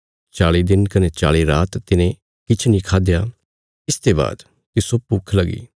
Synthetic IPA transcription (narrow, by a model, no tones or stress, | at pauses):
t͡ʃaːɭid̪ɪnkɐnet͡ʃaːɭiɾaːt̪ːɪnẽ | kɪt͡ʃʰnĩkʰaːd̪ja | ɪst̪eba̰ːd̪ | kisopːʊkʰlɐɡḭː